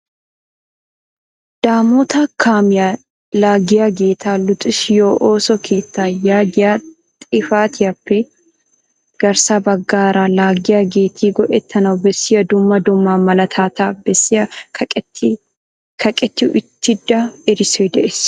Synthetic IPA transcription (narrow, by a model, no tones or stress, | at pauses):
d̪̥aːmɔt̪ɐkʰaːmɪja | laːɡɪjaɡe̞ːt̪ʰaːlʊt̪ʼɪsjoːʔoːsɔkʰeːt̪ːaːjaːɡɪjaː | t̪ʼɪfaːt̪ɪjɐpːɛ | ɡ̥ɐɾsaːbɐɡːaːɾaːlaːɡɪjaɡeːt̪ʰiːɡɔʔɛt̪ʰːɐnɐwbɛsːɪjɐd̪ʊmːɐd̪ʊmːaːmɐlɐt̪ʰaːt̪aːbɛsɪɐ | kʰɐkʼɛt̪ːɪʔɪt̪ːɪd̪ːaɪɾɪseːd̪ɛʔɛs